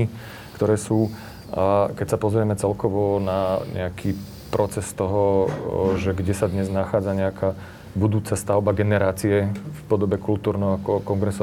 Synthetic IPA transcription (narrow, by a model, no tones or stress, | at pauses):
i | kt̪ɔɾɛːsuː | akɛcsapɔzɾɪɛmɛt͡sɛlkɔʋɔnaɲʔɛ̰akʰiː | pɾʔɔt͡sɛst̪ɔɦɔ | ʒɛɡɟɛsad̪ɲɛznaxaːd͡zaɲɛakʰaː | bud̪uːt͡sast̪aʊbaɡɛnɛɾaːt͡siɛfpɔd̪ɔbɛkult̪uːɾnɛɦɔakɔkɔŋɡɾɛsɔ